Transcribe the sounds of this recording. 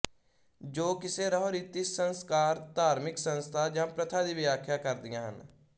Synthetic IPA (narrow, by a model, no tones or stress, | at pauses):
d͡ʒoːkɪseːɾəɦɾiːt̪isənskaːɾt̪aːɾmɪksənst̪ʰaːd͡ʒãːpɾət̪ʰaːd̪iːʋɪjaːkʰjaːkəɾd̪ɪjãːɦə̰n